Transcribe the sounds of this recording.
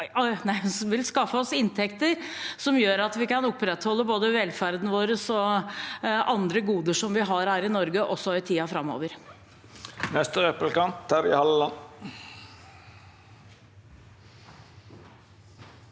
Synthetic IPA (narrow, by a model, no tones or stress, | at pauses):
ɔɪnæɪsʋɪlskɑfːəɔsɪnt̪ʰɛkt̪əɾsɔmjøːɾɑt̪ʋɪkɑnʊpːɾɛt̪hɔlːəboːd̪əʋɛlfæɾd̪n̩ʋoːɾəsɔ | ʔɑnd̪ɾəɡuːd̪əʂɔmʋɪɦɑɾhæːɾɪnɔɾɡəʔɔsːɔɪt̪ʰiːɑfɾɑmːo̰ːʋəɾ | nɛst̪əɾɛpəlkɑnt̪hæːɾɪ̰hɑləlɑn